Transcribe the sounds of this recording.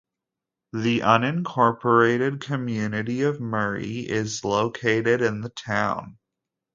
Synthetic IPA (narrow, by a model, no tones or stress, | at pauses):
ðiʔʌ̃nɨ̃nkʰɔɹpʰə˞eɪɾɨd̚kʰɨmjʉnɨɾiʌvmɜ˞ḭɪzloʊkʰeɪɾɪɾɪ̃nðətʰãʊ̃n